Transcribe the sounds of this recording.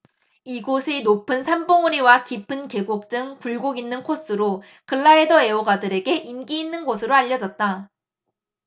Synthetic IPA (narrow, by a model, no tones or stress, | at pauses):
iɡosʰenopʰɯnsʰamboŋuɾiwakipʰɯnke̞ɡok̚t͈ɯŋpuɭɡoɡinːɯnkʰos͈ɯɾo | kɯɭːaidʌe̞oɡadɯɾe̞ɡe̞ʔinɡiːnːɯnɡosʰɯɾoaʎːʌd͡ʑʌt̚t͈a